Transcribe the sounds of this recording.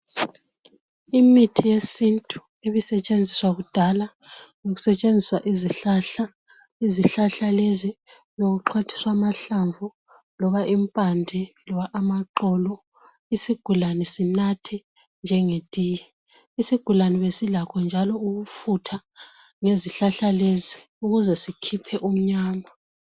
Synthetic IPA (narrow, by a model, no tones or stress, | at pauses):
imitʰijesintʼu̥ | eβisɛt͡ʃʼend͡zʱiswaɣud̥ʱala | ŋoɣu̥sɛt͡ʃʼend͡zʱiswaʔiziɬaa | iziɬaɬalezi | joɣuǃʰwatʰi̥swamaɬaɱvu | lɔβaʔimpʼandʱilɔwaʔːmaǃɔlɔ | isiɡ̥ʱulanɛsinatʰɛ | nd͡ʒʱɛŋed̥ʼʱiːjɛ | isiɡ̥ʱulaniβesilakʰɔnd͡ʒʱalɔuɣufutʰa | ŋeziɬaɬalezi | uɣuzɛsikʰipʰɛʔum̩ɲaːma